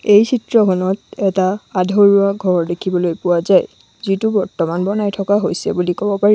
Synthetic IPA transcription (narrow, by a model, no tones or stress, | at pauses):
ejsʰitɹɔkʰɔnɔtɛtaːdʱɔɹuaɡʱɔɹdekʰibɔlojpʊwazaj | zitubɔɹtɔmanbɔnajtʰɔkaɦojsɛ̰bulikɔbɔpaɹi